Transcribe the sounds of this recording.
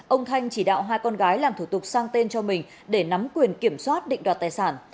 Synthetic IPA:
ʔə˧wŋ͡mt̪ʰa˧jŋ̟t͡ɕi˧˩ɗa̰ː˧˨wɦaː˧jkɔ˧nɣaː˨˦jlaː˨˩mt̪ʰu˧˩t̪ʊ˨˩k̚saː˧ŋt̪e˧nt͡ɕɔ˧mï˨˩ŋ̟ | ɗe˧˩na˨˦mkwi˨˩ənki˧˩əmswaː˦˥t̚ɗḭ̈˧˨ŋ̟ɗwaː˨˩t̚t̪aː˨˩jsaː˧˩n

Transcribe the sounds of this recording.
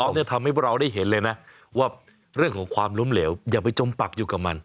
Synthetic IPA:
ɔ˦ni˥˩ɐt̪ʰa˧mha˥˩jpʰːɾa˧wda˥˩jɦe˩˦nlɤː˧jna˦˥ | waː˥˩ | ɾɯ˥˩əŋkʰɔː˩˦ŋkʰwaː˧mlo˦˥mleː˩˦˥wjaː˨˩pa˧jt͡ɕo˧mpa˨˩k̚juː˨˩ka˨˩ma˧n

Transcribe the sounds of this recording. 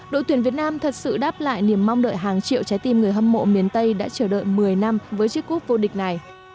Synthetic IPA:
ɗo̰˧˨t̪wi˨˩ənvi˨˩ət̚naː˧mt̪ʰə˨˩t̚sɨ̰˧˨ɗaː˦˥p̚la̰ː˧˨jni˧˩əmːa˧wŋ͡mɗə̰ː˧˨jɦaː˨˩ŋt͡ɕḭ˧˨əwt͡ɕa˨˦jt̪i˧mŋɨ˨˩əjɦə˧mːo̰˧˥mi˨˦ənt̪ə˧jɗa̰ː˧˥t͡ɕəː˧˩ɗə̰ː˧˨jmɨ˨˩əjna˧mvəː˨˦jt͡ɕɨ˦˥kːu˦˥ək̚vo˧ɗï˨˩k̟̚na˨˩j

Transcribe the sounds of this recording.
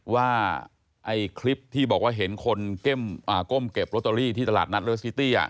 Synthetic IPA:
waː˥˩ | ʔa˧jkʰli˦˥p̚t̪ʰiː˥˩bɔː˨˩k̚waː˥˩ɦe˩˦nkʰo˧nke˥˩mʔaː˨˩ko˥˩mke˨˩p̚ɾo˦˥t̪ːa˧ɾiː˥˩t̪ʰiː˥˩t̪a˧laː˨˩t̪̚na˦˥t̪̚ɾe˦˥ssi˦˥t̪iː˥˩ʔa̰˨˩

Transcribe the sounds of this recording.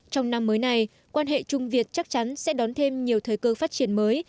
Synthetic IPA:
t͡ɕɔ˧wŋ͡mna˧mːəː˨˦jna˧j | kwaː˧nɦḛ˧˨t͡ɕʊ˧ŋ͡mvi˨˩ət̚t͡ɕa˦˥k̚t͡ɕa˨˦nsɛ̰˧˥ɗɔ˨˦nt̪ʰe˧mɲi˨˩əwt̪ʰəː˨˩˦jkəː˧faː˦˥t̚t͡ɕi˨˩ənməː˨˦j

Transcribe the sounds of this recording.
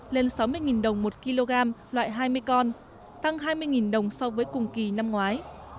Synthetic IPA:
le˧nsa˨˦wmɨ˧əjŋi˨˩nɗə˨˩wŋ͡mmo˨˩t̚ki˧lo˧ɣaː˧mlwa̰ː˧˨jɦaː˧jmɨ˧jkɔ˧n | t̪a˧ŋɦaː˧jmɨ˧əjŋi˨˩nɗə˨˩wŋ͡msɔ˧wvəː˨˦jkʊ˨˩ŋ͡mki˨˩na˧mŋwaː˨˦j

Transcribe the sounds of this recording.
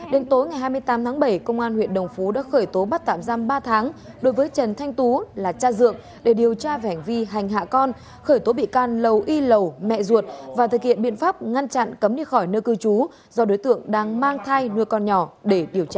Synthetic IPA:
ɗe˨˦nt̪o˨˦jŋa˨˩jɦaː˧jmɨ˧əjt̪aː˨˦mt̪ʰaː˨˦ŋɓə˧˩jkə˧wŋ͡mʔaː˧nhwḭ˧˨ənɗə˨˩wŋ͡mfu˨˦ɗa̰ː˧˥xəː˧˩jt̪o˨˦ɓa˦˥t̚t̪a̰ː˧˨mzaː˧mɓaː˧t̪ʰaː˨˦ŋ | ɗo˨˦jvəː˨˦jt͡ɕə˨˩nt̪ʰa˧jŋ̟t̪u˨˦laː˨˩t͡ɕaː˧zɨ̰˧˨əŋ | ɗe˧˩ɗi˨˩əwt͡ɕaː˧vɛ˧˩ha˨˩ŋ̟vi˧ɦa˨˩jŋ̟ɦa̰ː˧˨kɔ˧n | xəː˧˩jt̪o˨˦ɓḭ˧˨kaː˧˩nlə˨˩wʔi˧lə˨˩wmɛ̰˧˨zu˨˩ət̚vaː˨˩t̪ʰɨ˨˩k̚hḭ˧˨əmɓḭ˧˨ənfaː˦˥p̚ŋa˧nt͡ɕa̰˧˨nkə˨˦mɲi˧xɔ˧˩jnəː˧kɨ˧t͡ɕu˨˦ | zɔ˧ɗo˨˦jt̪ɨ̰˧˨əŋɗaː˧ŋmaː˧ŋt̪ʰaː˧jnɨ˧əjkɔ˧nɲɔ˧˩ɗe˧˩ɗi˨˩əwt͡ɕaː˧

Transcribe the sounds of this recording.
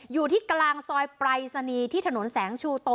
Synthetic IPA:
juː˨˩t̪ʰiː˥˩klaː˧ŋsɔː˧jpɾaː˧jsa˧niː˧t̪ʰiː˥˩˧no˩˦nsɛː˩˦ŋt͡ɕʰuː˧t̪o˧

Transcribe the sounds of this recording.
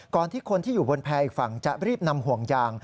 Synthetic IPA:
kɔː˨˩nt̪ʰiː˥˩kʰo˧nt̪ʰiː˥˩juː˨˩bo˧npʰɛː˧ʔiː˨˩k̚fa˨˩˦ŋt͡ɕa˨˩ɾiː˥˩p̚na˧mhu˨˩əŋjaː˧ŋ

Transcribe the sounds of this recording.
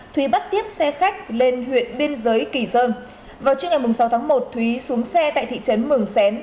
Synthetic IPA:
t̪ʰwi˨˦ɓa˦˥t̚t̪i˦˥əp̚sɛ˧xa˦˥jk̟̚le˧nhwḭ˧˨ənɓi˧ənzəː˨˦jki˧˩zəː˧n | vaː˨˩wt͡ɕi˧ŋ͡mŋa˨˩jmʊ˨˩ŋ͡msa˨˦wt̪ʰːŋmo˨˩t̚t̪ʰwi˨˦su˨˦əŋsɛ˧t̪a̰ː˧˨jt̪ḭ˧˨t͡ɕə˨˦nmɨ˨˧˩əŋsɛ˨˦n

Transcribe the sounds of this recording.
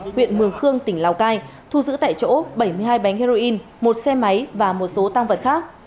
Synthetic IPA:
hwḭ˧˨ənmɨ˨˩əŋxɨ˧əŋt̪ï˧˩ŋ̟laː˨˩wkaː˧j | t̪ʰu˧zɨ̰˧˥t̪a̰ː˧˨jt͡ɕo̰˧˥ɓə˧˩jmɨ˧əjɦaː˧jɓa˨˦ŋ̟hi˧zo˧ʔi˧n | mo˨˩t̚sɛ˧ma˨˦jvaː˨˩mo˨˩t̚so˨˦t̪aː˧ŋvə˨˩t̚xaː˦˥k̚

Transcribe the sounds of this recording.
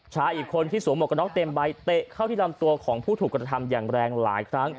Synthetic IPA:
t͡ɕʰaː˦˥ʔiː˨˩kʰːo˧nt̪ʰiː˥˩suː˨˩˦ŋmo˨˩t̚ka˧nɔ˦˥k̚t̪e˧mba˧jt̪e˨˩kʰa˥˩wt̪ʰiː˥˩la˧mt̪u˧ɐkʰɔː˩˦ŋpʰuː˥˩t̪ʰuː˨˩kɾa˧t̪ʰa˧mjaː˨˩ŋɾɛː˧ŋlaː˩˦jkʰɾa˦˥ŋ

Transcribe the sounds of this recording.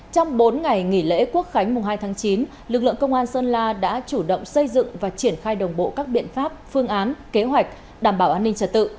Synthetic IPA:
t͡ɕɔ˧wŋ͡mɓo˨˦nŋa˨˩jŋḭ˧˩lḛ˧˥ku˦˥ək̚xa˨˦jŋ̟mʊ˨˩ŋ͡mɦaː˧jt̪ʰaː˨˦ŋt͡ɕi˨˦n | lɨ˨˩k̚lɨ̰˧˨əŋkə˧wŋ͡mʔaː˧nsəː˧nlaː˧ɗa̰ː˧˥t͡ɕu˧˩ɗə̰˧˨wŋ͡msə˧jzɨ̰˧˨ŋvaː˨˩t͡ɕi˧˩ənxaː˧jɗə˨˩wŋ͡mɓo̰˧˨kaː˦˥k̚ɓḭ˧˨ənfaː˦˥p̚fɨ˧əŋʔaː˨˦nke˨˦ɦwa˨˩jk̟̚ | ɗaː˧˩mɓaː˧˩wʔaː˧nːï˧ŋ̟t͡ɕə˧˩t̚t̪ɨ̰˧˨

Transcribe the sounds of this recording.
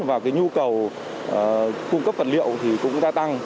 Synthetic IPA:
vaː˨˩kaː˨˦jɲu˧kə˨˩w | ʔkʊ˧ŋ͡mkə˦˥p̚fə˨˩t̚lḭ˧˨ə˨wt̪ʰi˨˩kʊ̰˧˥ŋ͡mɗaː˧t̪a˧ŋ

